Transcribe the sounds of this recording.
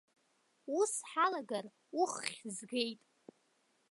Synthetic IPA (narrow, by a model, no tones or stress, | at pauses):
usħalaɡar | uχχʲzɡe̞jtʼ